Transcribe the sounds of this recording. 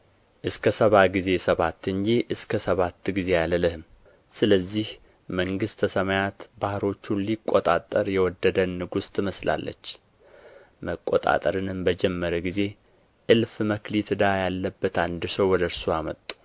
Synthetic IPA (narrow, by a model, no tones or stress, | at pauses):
ʔɨskʰəsəβaɡize̞səβat̪ːɨɲd͡ʒiʔɨskʰəsəβat̪ːɡize̞jalələhɨm | sɨləzːih | məŋɡɨst̪ʰəsəmajat̪bahɾo̞t͡ʃːunlikʼːot̪ʼa̰t̪ʼːəɾjɛwɔd̪ːəd̪ənːɨɡust̪ʼɨməsla̰lːə̰t͡ʃː | məkʼːot̪ʼa̰t̪ʼəɾɨnɨmbəd͡ʒɛmːəɾəɡize̞ | ʔɨlfməklit̪ʰɨd̪ajalːəbːət̪and̪ɨsəwwɔd̪əɾsoamət̪ʼːu̥